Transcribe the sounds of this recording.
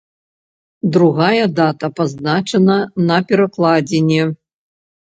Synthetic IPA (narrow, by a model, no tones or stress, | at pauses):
d̪ɾuɣajɐd̪at̪ɐpaznat͡ʂɐnɐnɐpʲɛɾɐklˠad͡zʲenʲɛ